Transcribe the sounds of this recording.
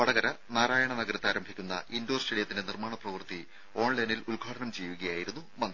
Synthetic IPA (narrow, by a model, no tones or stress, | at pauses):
pɐɽɐɡɐɾɐ | naːɾaːjɐɳɐnɐɡɐɾɐt̪ːaːɾɐmbʱikʲːunːɐ̰ʔindoːrsʈreɽijɐt̪ːindenirmaːɳɐprɐʋɨrt̪i | o̞ːɳlɐjnilulɡʱaːɽɐnɐmt͡ɕejːuɣɐjaːjiɾunːumɐn